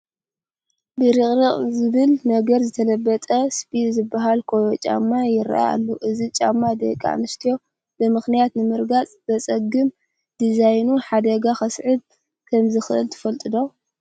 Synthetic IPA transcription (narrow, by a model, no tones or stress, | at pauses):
bɨɾɨχʼɾɨqʼzɨβɨlnɐɡɐɾzɨt̪ʰɐlɐbːɐt̪ʼɐspid̪zɨbːaɦalkʰojot͡ʃʼa̰mːajɪɾ̰ʔa̰a̰lːoʔɨzit͡ʃʼa̰mːad̪ḛkʼa̰nɨʃt̪ʰijo̞ | bɨmɨxnijat̪nɨmɨɾɡat͡sʼz̥ɐt͡sʼɐɡɨm | d̪̥izajnuħad̪ɐɡaxɐsʕɨb̚ | kʰɐmzɨxɨʔɨlt̪ʰɨ̥fɐlt̪ʼɨd̪o̞